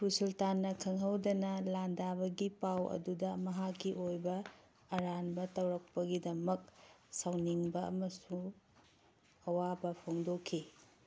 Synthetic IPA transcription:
pusultanːɐkʰɐŋɦɐwdɐnɐlandabɐɡipawɐ̰dudɐmɐɦakːiʔojbɐ | ɐɾanbɐtɐwɾɐk̚pɐɡidɐmɐk̚sawniŋbɐɐ̰mɐsu | ɐwabɐpʰoŋdokʰːi

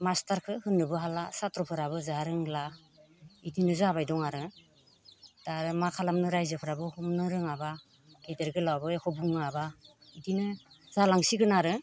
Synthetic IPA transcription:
mastaɾkʰɯhɯnːɯbɯɦalasatɾɔpʰɯɾaβɯzaɾɯŋla | idinɯzaβajdɔŋaɾɯ | d̥aɾɯmakʰalamnɯɾajzɯpʰɯɾabɯhɔmnɯɾɯŋaba | ɡedeɾɡɯlawbɯekʰɔbuŋaba | idinɯ | zalaŋsiɡɯnaɾɯ

